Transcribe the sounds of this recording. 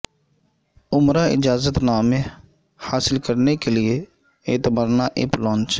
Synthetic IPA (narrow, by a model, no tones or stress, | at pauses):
ʊmɾaːɪd͡ʒaːzət̪naːmẽ | haːsɪlkəɾnekelɪe | eːt̪ɪbaːɾnaːʔeplɔ̃ːnt͡ʃː